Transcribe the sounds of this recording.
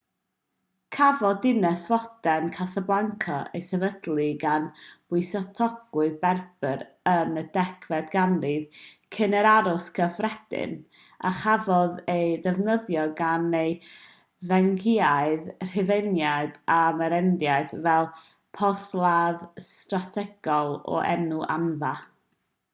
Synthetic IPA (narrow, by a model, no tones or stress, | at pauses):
kʰavɔdɪnɛswɔd̥ɛnkʰasablˠaŋkʰɔḛjsɛvədlˠiɡanb̥ʊɨsɔtʰɔɡ̥ʊɨbɛrb̥əɾ | ənədɛkʰvɛdɡanriðkʰənəɾaɾʊskʰəfrɛd̥ɪ̰n | a̰χavɔðejðɛvnəðjɔɡanej | vɛŋɡɪaɨðr̥ɪvenjadamɛɾɛndjaɨðvɛlˠ | pʰɔθlˠaðstratʰɛɡ̥ɔlˠɔ̰ʔɛ̰nuʔa̰nva